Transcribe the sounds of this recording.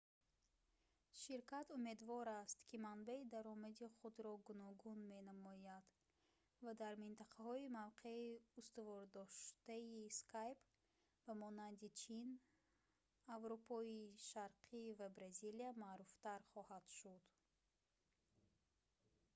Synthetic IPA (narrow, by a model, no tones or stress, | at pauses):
ʃiɾkat̪ume̞d̪vɔɾast̪kʰimanbaid̪aɾɔmad̪iχud̪ɾɔɡunɔɡunme̞namɔjad̪ | vad̪aɾmint̪aqʰahɔimavqʰe̞iust̪uvɔɾd̪ɔʃt̪aiskʰajp | bamɔnand̪it͡ʃʰin | avɾupʰɔiʃaɾqʰivabɾaziliamaːɾuft̪aɾχɔhad̪̥ʃud̪